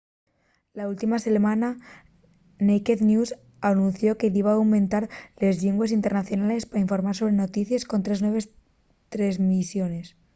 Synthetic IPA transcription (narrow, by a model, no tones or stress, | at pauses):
lault̪imase̞lmãna | nejkeðnjus | anũnθjo̞ke̞ðiβaːwmẽ̞nt̪aɾle̞zʎiŋɡwes̬int̪e̞ɾnaθjo̞nale̞spaɾaiɱfo̞ɾmaɾso̞β̞ɾe̞no̞t̪iθjasko̞nt̪ɾe̞znwe̞βes | t̪ɾezmisjo̞ne̞s